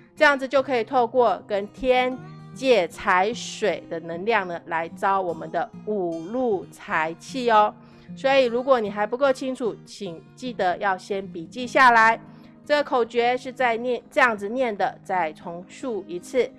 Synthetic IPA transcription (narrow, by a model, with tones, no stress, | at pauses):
ʈ͡ʂɤ˥˧jɑ˥˩ŋd͡zɹ̩˩t͡ɕjo˥˩ʊkʰɤ˧˥i˨˩t̪ʰo˥˧ʊkwɔ˥˩kə˦˥nt̪ʰjɛ˥nt͡ɕjɛ˥˩t͡sʰa˧˥ɪʂwe˨˩ɪd̪ə˦nə˧˥ŋljɑ˥˩ŋnə˩la˧˦˥ɪt͡sɑ˥ʊwɔ˨˩mə˦nd̪ə˦u˨˩lu˥˩t͡sʰa˧˥ɪt͡ɕʰi˥˩ɔ˧˦ | swɔ˧˥i˨˩ɻu˧˥kwɔ˧˥˦ni˨˩xa˧˥ɪpu˧˥ko˥˩ʊt͡ɕʰi˥ŋʈ͡ʂʰu˨˩˦t͡ɕʰi˨˩ŋt͡ɕi˥˩d̪ə˧˦jɑ˥˩ʊɕjɛ˥npi˨˩t͡ɕi˥˧ɕja˥˩la˧˦ɪ | ʈ͡ʂɤ˥˩ɡə˩kʰo˨˩ʊt͡ɕɥɛ˧˥ʂɻ̩˥˧t͡sa˥˧ɪnjɛ˥˧nʈ͡ʂɤ˥˧jɑ˥˩ŋd͡zɹ̩˨njɛ˥˩nd̪ə˩t͡sa˥˩ɪt͡sʰʊ˧˥ŋʂu˥˩i˧˥t͡sʰɹ̩˥˩